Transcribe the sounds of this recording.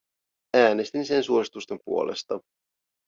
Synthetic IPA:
æːne̞st̪inse̞nsuo̞sit̪ust̪e̞mpṵolʔe̞̰st̪ɑ

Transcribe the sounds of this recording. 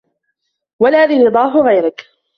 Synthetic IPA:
walaːðiɾɨd̪ˤɑːɦʊɣajɾɪk

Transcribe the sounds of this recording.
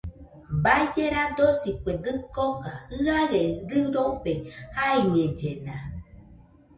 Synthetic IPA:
bad͡ʒeɾad̪osikʷed̪ɨkokaɨaɣeɡɨɾoɸehaied͡ʒena

